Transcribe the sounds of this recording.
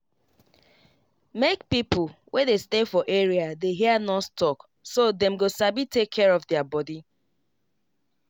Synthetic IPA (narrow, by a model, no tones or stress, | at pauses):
mekpipʊwʔɛ̃destefɔʔeɹiadeɦianɔttɔk | sodɛ̃mɡosabitekʰːɛɹɔvdɛabɔdi